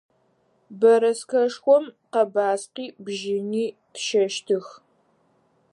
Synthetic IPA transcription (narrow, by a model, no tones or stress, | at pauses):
bɐɾɐskʰɐʂxʷɔmqɐbaːsqiːbʒɪniːtʃɐʃtʰɨx